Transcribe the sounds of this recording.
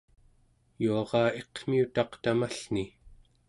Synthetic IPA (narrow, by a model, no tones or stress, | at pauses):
juɑʁɑːe̞qm̥iut̪ɑqt̪amaɬni